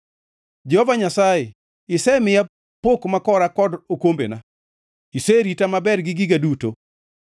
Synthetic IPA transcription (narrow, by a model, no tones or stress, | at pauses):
d͡ʒɛhovaɲasaje | ɪsɛmɪja | pokmakɔɾakɔdokombḛna | iseɾitamabɛrɡɪɡɪɡaduto